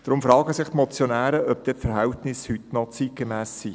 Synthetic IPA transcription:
d̥ɾʊmfɾɑːɡəsɪχtmɔt͡sjɔnæːɾəʔœp̚d̥ɛtfɛɾɦæwtnɪshytnɔt͡sit̚ɡ̥emæːsːi

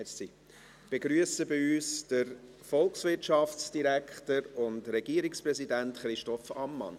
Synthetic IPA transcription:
si | b̥eɡɾyəsəbɪyːsd̥əɾ | fɔlˠksvɪtʃɑft͡ssd̥iɾækʰχtəɾʊndɾɛɡ̥iəɾikspɾɛzidæntχɾɪʃtɔfɑmːɑ̰n

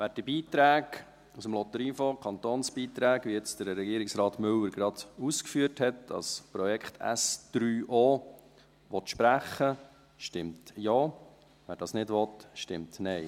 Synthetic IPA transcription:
ʋæːɾd̥ibiːt̪ɾæːɡ | usəmlɔt̪əɾinfɔkʰχɑnt̪oːnsb̥iːt̪ɾæːɡʋiɛt͡sd̥əɾːɛɡiːɾɪksɾɑːtmʏlːəɾɡ̥ɾɑd̪̥uskfyəthɛtdɑ̰spɾɔjɛkχtʰæ̰sd̪̥ɾyːʔɔː | ʋɔt̪ʃpɾæχːə | ʃtɪmtjɔː | ʋæːɾd̥ɑːsnɪdʋɔt̪ʃtɪmtnɛɪ

